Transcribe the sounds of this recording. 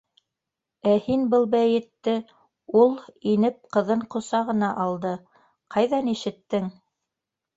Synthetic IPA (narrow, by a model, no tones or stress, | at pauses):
æhinbɤlˠbæjɘ̆t̪ːɘ | ulˠinɘp̚qɤ̆ðɤɴqŏsɑʁɤ̆nɑʔɑlˠd̪ɤ | qʰɑjðɑniʃɘ̆t̪ːɘŋ